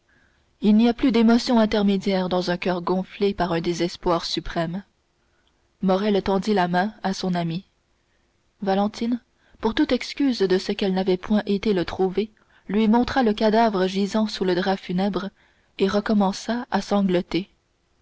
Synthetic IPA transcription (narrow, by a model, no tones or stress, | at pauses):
ilniaplyd̪emɔsjɔ̃ɛ̃t̪ɛʁmed̪jɛːʁd̪ɑ̃zœ̃kʲœːʁɡɔ̃flepaʁœ̃d̪ezɛspwaːʁsypχɛm | mɔʁɛlt̪ɑ̃d̪ilamɛ̃asɔ̃nami | valɑ̃t̪in | puʁt̪ut̪ɛkskʲyːzd̪əsəkɛlnavɛpwɛ̃ʔet̪elət̪χuve | lɥimɔ̃t̪χaləkad̪avʁəʒizɑ̃suləd̪ʁafynɛbʁ | eʁəkɔmɑ̃saasɑ̃ɡlɔt̪e